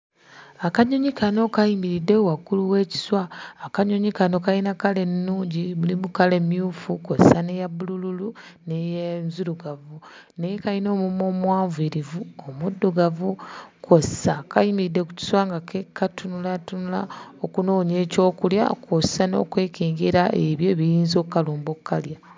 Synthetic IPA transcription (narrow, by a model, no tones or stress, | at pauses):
akaɲoɲikano̞kajimiɾidːe̞wakuluwe̞ːci̥swaːkaɲoɲikano̞kainakale̞nːuːɲɟiβulimukale̞mjuːfukossane̞jabulululunejenzuɾuɡavunejekajino̞ːmumo̞ːmwaːɱviɾivuomudːoɡavukʰossakajimiidːe̞ku̥ci̥swaŋɡakekʰatunulatunula̰okuno̞ːɲe̞ːco̞ːkulja̰kʰossano̞̰ːkwe̞ːkeːŋɡeɾaʔeβjo̞βijiːnzo̞ːkkaluːmbokkːalja